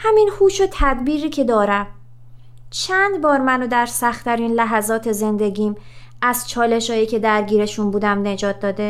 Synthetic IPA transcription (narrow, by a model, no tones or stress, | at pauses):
hæminhuːʃot̪ʰæd̪biːɾiːcʰe̞d̪ɒːɾæm | t͡ʃʰænd̪bɒːɾmænod̪æɾsæxt̪ʰæɾiːnlæɦæzɒːt̪ʰe̞ze̞nd̪e̞ɡiːm | ʔæzt͡ʃʰɒːle̞ʃɒːjiːcʰe̞d̪æɾɟiːɾe̞ʃunbuːd̪æmne̞d͡ʒɒːt̪̚ʰd̪ɒːd̪e